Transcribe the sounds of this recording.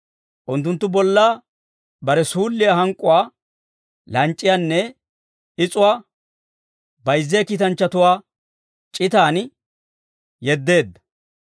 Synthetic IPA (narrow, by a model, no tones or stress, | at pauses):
ʔʊnt̪ːʊnt̪ːʊbɔlːaː | bɐɾɛsuːlːɪjaɦɐŋkʼʊwaː | lɐnt͡ʃʼːɪjanːɛ | ɪt͡sʼʊwaː | bɐjzːejkiːt̪ɐnt͡ʃːɐt̪ʊwaː | t͡ʃʼɪt̪aːn | jɛd̪ːe̞ːd̪ːɐ̥